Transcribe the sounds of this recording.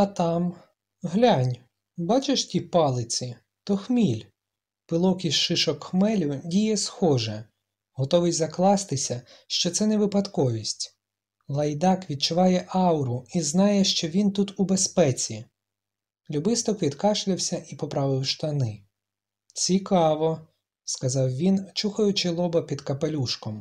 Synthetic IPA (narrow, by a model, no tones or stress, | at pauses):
ɐt̪ɑm | ɦlʲanʲ | bɑt͡ʃɪʃtʲipɑlˠɪt͡sʲi | t̪ɔxmʲilʲ | pɪlˠɔkiʃɪʃɔkxmɛlʲʊdʲijɛsxɔʒɛ | ɦɔt̪ɔʋɪjzɐklˠɑst̪ɪsʲɐ | ʃt͡ʃɔt̪sɛnɛʋɪpɐd̪kɔʋʲisʲtʲ | lˠɐjd̪ɑkʋʲid̪̚t͡ʃʊʋɑjɛʔɑwɾʊiznɑjɛʃt͡ʃɔʋʲint̪ut̪ubespɛt͡sʲi | lʲubɪst̪ɔkʋʲid̪kɑʃlʲɪwsʲɐʔipɔpɾɑʋɪwʃt̪ɐnɪ | t͡sʲikɑʋɔ | skɐzɑwʋʲint͡ʃuxɐjʊt͡ʃɪlˠɔbɐpʲid̪kɐpelʲuʃkɔm